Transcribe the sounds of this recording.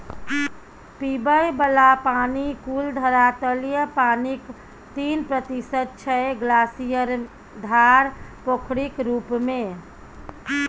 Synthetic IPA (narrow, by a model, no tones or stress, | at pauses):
pibəjbəlapaːnikuld̪ʱəɾat̪əljəpanik | t̪inpɾət̪isəd̪̚t͡ʃʰɛɡlasijəɾ | d̪ʱaɾpokʰɽikɾuːpmẽ